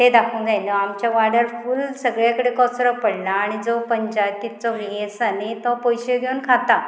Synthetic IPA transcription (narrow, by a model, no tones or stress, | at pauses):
ɦed̪akʰũnd͡zajlɔamt͡ɕjaʋaɽəɾfulsəɡɭjakəɽekɔsɾɔpəɽɳaːɽ̃id͡zɔpəɲd͡ʑajt̪ːit͡sɔʋiesanet̪ɔpɔjɕeɡʱeunkʰat̪a